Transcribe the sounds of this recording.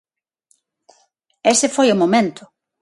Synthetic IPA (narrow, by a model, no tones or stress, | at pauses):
esɪfojʊmomẽnt̪ʊ